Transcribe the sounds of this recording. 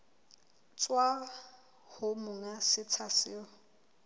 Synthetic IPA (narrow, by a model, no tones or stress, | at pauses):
t͡sʼwa | hʊmʊŋasɪt͡sʰasɪɔ